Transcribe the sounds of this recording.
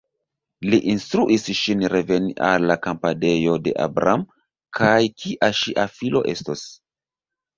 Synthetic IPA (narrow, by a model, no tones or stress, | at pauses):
liʔinstɾuʔisʃinɾe̞ve̞niʔalːakampane̞jo̞de̞̰ʔa̰bɾam | kʰajkʰiʔaʃiʔafilo̞̰ʔe̞̰stos